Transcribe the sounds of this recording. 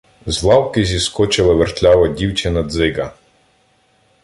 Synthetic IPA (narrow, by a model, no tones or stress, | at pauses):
zlˠɑwkɪzʲiskɔt͡ʃɪlˠɪʋɛrt̪ʲlʲɑʋɐdʲiwt͡ʃɛnɐd̪zɪɡɐ